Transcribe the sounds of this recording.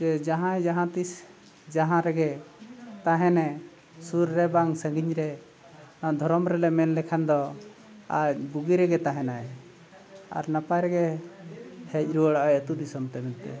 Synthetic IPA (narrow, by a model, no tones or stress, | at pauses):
d͡ʒɛd͡ʒaɦãɛd͡ʒaɦãt̪is | d͡ʒaɦãɾɛɡɛt̪aɦɛ̃nɛ | suɾːɛbaŋsə̃ŋɡiɲɾɛ | ad̪ʱɔɾɔmɾɛlɛmɛnlɛkʰand̪ɔ | a̰buɡiɾɛɡɛt̪aɦɛ̃naɛ | a̰ɾnapajɾɛɡɛ | hɛc̚ɾuəɽaʔajət̪ud̪isɔmt̪ɛmɛnt̪ɛ̰